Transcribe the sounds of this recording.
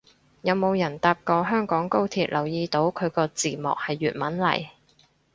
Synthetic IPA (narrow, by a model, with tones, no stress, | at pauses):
jɐ˨˧wmo˨˧wjɐ˨˩nt̪aː˧p̚kɔː˧ɦœː˥ŋkɔː˨˥ŋko˥wt̪ʰiː˨t̚lʔɐ˨˩wjiː˧t̪o˨˥wkʰɵ˨˧ɥkɔː˧t͡siː˨˩mɔ̰ː˨k̚hɐ˨jːyː˨t̚mɐ˨˥nlɐ̰˨˩j